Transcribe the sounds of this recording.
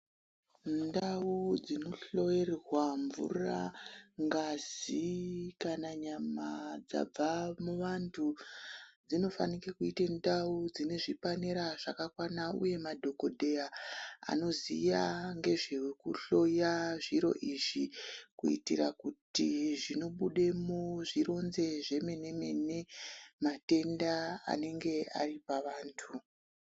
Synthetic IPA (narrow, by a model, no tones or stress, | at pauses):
ndaud͡zino̞ɬo̞errwaɱvṵraŋɡazikanaɲamad͡za̰b͡vamuʋantʰu | d͡zino̞fanikekuitendaud͡zine̞ʐipaneɾaʐakakwanaṵje̞madʱo̞ko̞dʱe̞jaa̰no̞zijaŋɡe̞ʐiwekuɬo̞jaʐiɾo̞̰ʔiʐikuḭtḭrakutiʐino̞ɓuɗemoʐiɾo̞nze̞ʐe̞me̞ne̞me̞nemate̞ndaa̰ne̞ŋɡe̞a̰ripaʋaːntʰu